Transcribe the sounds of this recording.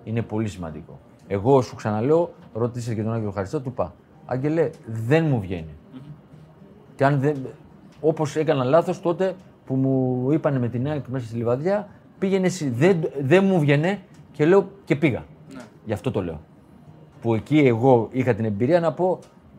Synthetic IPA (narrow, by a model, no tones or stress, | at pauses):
ine̞po̞lisimɐ̰nd̪iko̞̰ | e̞ɣo̞suksɐnɐle̞oɾo̞t̪iseket̪onɐɲʝiloxɐɾist̪ot̪upɐ̰ | ɐ̰ɟe̞leðe̞nmuvʝe̞̰ni | ceɐnðe | o̞po̞se̞kɐnɐlɐθo̞st̪o̞t̪e̞ | pumuipɐne̞me̞t̪inɐkme̞sɐst̪ilivɐðʝɐ | piʝe̞nesiðeðe̞nmuvʝe̞ne̞ce̞le̞o̞ce̞piɣɐ̰ | ʝɐft̪o̞t̪o̞le̞o̞̰ | pue̞cie̞ɣo̞ixɐt̪ine̞mbiɾiɐnɐpo̞